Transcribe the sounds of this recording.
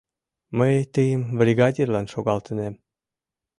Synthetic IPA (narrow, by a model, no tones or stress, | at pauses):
məjt̪əjəmβrʲiɣɑdʲirlɑnʃoɣɑlt̪ə̆nem